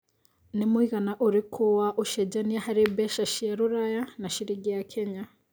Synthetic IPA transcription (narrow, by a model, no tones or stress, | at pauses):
nimuiɣanaʔuɾikʰowaʔuʃeɟaniahaɾebeʃaʃijaɾuɾajanaʃiɾiɡejakʰeɲa